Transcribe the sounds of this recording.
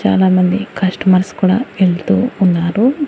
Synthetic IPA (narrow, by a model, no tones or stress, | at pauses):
t͡ʃa̰ːlaːmɐnd̪ikʰɐsʈɐmɐɾskuːɽa̰ːeɭt̪ṵːnːaːɾu